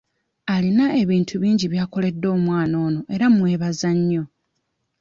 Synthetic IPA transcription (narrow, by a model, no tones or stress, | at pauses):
alinae̞βiːntʰuβiːɲɟiβjaːko̞le̞dːo̞ːmwaːno̞ːno̞ʔe̞ɾamwe̞ːβazaɲːo̞